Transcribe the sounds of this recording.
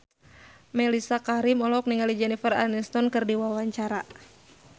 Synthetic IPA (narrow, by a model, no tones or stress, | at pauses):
mɛlisakaɾimɔlɔk̚niŋalid͡ʒɛnifəra̰nist̪ɔnkɨrdiwawaɲt͡ʃaɾa